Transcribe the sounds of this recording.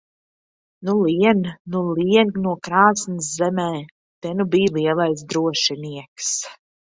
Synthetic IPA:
nulˠiɛnnulˠiɛnnuɔkɾaːsnɨszɛmɛː | t̪ɛnubiːlˠiɛlˠajs̬d̪ɾuɔʃɛniɛks

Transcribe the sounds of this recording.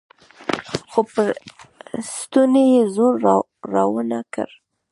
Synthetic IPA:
xopəɾ | st̪unejezoɾː | ɑwənakə̰ɾ

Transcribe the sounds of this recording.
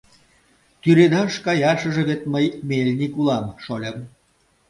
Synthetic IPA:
t̪yɾed̪ɑʃkɑjɑʃə̆ʒĕβetməjmʲelʲnikulɑmʃolʲəm

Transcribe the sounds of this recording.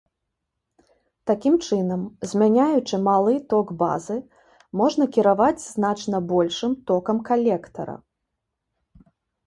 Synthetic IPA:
t̪akʲimt͡ʂɨnɐmzʲmʲanʲajut͡ʂɨmalˠɨt̪ɔɡba̰zɨ | mɔʐn̪ɐkʲiɾavad͡zʲznat͡ʂnɐbɔlʲʂɨmt̪ɔkɐmkalʲɛkt̪ɐ̰ɾɐ̰

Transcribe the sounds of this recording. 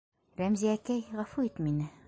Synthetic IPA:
ɾæmziækæjʁɑfuit̪minɘ

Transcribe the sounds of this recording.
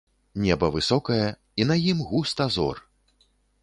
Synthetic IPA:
nʲɛbɐvɨsɔkɐjɐ | inɐjimɣust̪ɐzɔ̰r

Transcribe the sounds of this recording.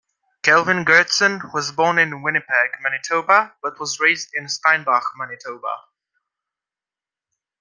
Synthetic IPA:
kʰɛlˠvɪ̃nɡɜːtsə̃nwɒzbɔːnɪ̃nwɪnɨpʰɛɡmɛnɨtʰoʊbəb̥ʌt̚wɒzɹeɪzdɪ̃nstãɪ̃nbɑxmanɪtʰoʊbə̰

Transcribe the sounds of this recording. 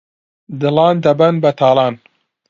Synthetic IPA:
d̪ɨlɑːnd̪ɐbɐnbɐt̪ʰaːlˠɑːn

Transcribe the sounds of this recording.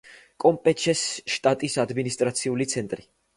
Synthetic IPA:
kʼɔmpʼɛt͡ʃʰɛsʃt̪ʼat̪ʼisad̪minist̪ʼɾat̪sʰiulit̪sʰɛnt̪ʼɾi

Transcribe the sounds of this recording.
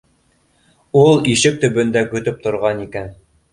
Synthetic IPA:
ulˠiʃɘk̚t̪ɵ̆bɵ̆nd̪ækɵ̆t̪ɵp̚t̪ŏɾʁɑnikæn

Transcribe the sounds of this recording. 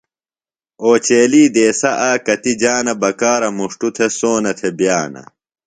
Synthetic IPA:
oːt͡ɕeːliːd̪eːsɐʔaːkɐt̪id͡ʑaːnɐbɐkaːɾɐmuʂʈut̪ʰesoːnɐt̪ʰebjaːnɐ̰

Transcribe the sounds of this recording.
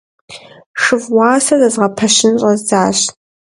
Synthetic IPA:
ʂɨvwɑːsɐzɐzʁɐpʰɐʃɪnɕʼɐzd͡zaːɕ

